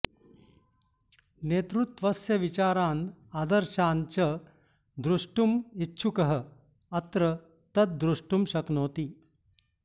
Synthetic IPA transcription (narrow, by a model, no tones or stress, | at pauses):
neːt̪ɾut̪ʋəsjɐʋit͡ɕaːɾaːnad̪əɾɕant͡ɕə | d̪ɾuʂʈumitːɕʰukɐɦə | ɐt̪ɾə | t̪ɐt̪̚d̪ɾuʂʈumɕɐknoːt̪iː